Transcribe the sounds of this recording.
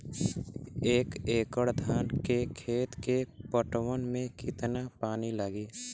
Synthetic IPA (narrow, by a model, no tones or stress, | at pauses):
eːkeːkəɽd̪ʱaːnkekʰeːt̪kepəʈwənmẽkɪt̪napaːniləɡiː